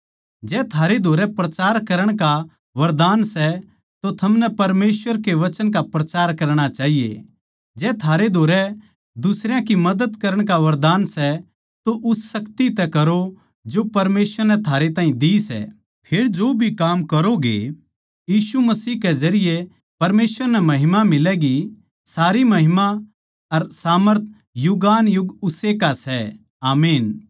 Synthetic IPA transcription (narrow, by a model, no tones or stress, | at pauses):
d͡ʒɛːt̪ʰaːɾed̪ʱoːɾɛpɾɐt͡ʃaːɾkɐɾəɽ̃ka | ʋɐɾd̪aːnsɛ | t̪ot̪ʰɐmnɛpɐɾmeːswʋəɾkeʋɐt͡ʃənkapɾɐt͡ʃaːɾkɐɾɽ̃at͡ʃaːɦijḛ | d͡ʒɛːt̪ʰaːɾed̪ʱoːɾɛ | d̪ʊsɾjãkimɐd̪ət̪kɐɾəɽ̃k̬aʋɐɾd̪aːnsɛ | t̪oʔʊssɐkt̪it̪ɛkɐɾo | d͡ʒopɐɾmeːsʋəɾnɛt̪ʰaːɾet̪ãːɦĩd̪isɛ̰ | pʰeːɾd͡ʒoːbʱikaːmkɐɾoɡḛ | jiːsumɐsiːɦkɛd͡ʒɐɾɪje | pɐɾmeːsʋəɾnɛmɐɦɪmamɪlɛɡi | saːɾimɐɦɪma | ɐɾsaːməɾt̪ʰ | jʊɡaːnjʊɡʊsekasɛ | aːmeːn